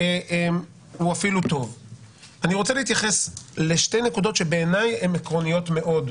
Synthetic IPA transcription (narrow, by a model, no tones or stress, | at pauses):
ʔem | uafilut̪o̞v | aniʁot͡seleit̪jaχe̞sle̞ʃte̞jnekudo̞t̪ʃe̞beːnaje̞mekʁo̞nijo̞tme̞ʔo̞d